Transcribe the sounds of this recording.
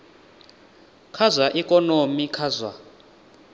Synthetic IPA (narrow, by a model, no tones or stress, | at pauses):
kʰazwaʔikʼɔnomikʰazwa̰